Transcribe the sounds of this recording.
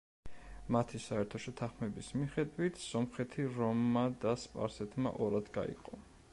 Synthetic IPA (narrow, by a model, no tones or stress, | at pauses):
mat̪ʰisaɛɾt̪ʰɔʃɛt̪ʰaχmɛbismiχɛd̪wit̪ʰsɔmχɛt̪ʰiɾɔmːad̪aspʼa̰ɾsɛt̪ʰma̰ʔɔɾad̪ɡa̰ḭqʼɔ